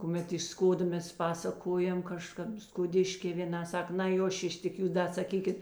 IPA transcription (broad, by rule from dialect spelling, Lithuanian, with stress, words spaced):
kʊˈmʲɛt ɪʃ ˈskoːdoː ˈmʲɛs ˈpɑːsɐkoːjɛm kɐˈʃkɐp skoːˈdʲɪʃʲkʲeː ʋʲeːˈnɐ ˈsɐk nɐɪ ˈjoː ˈʃʲɪʃ tʲɪk ˈjuːs ˈdɐ sɐˈkʲiːkʲɪt